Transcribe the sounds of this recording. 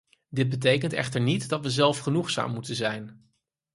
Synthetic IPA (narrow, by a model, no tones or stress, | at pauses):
dɪd̚bət̬ejkəntɛ̰χtəɹnitdɑtʋəzɛlˠfχənuχsa̰ːmːutənzɛjn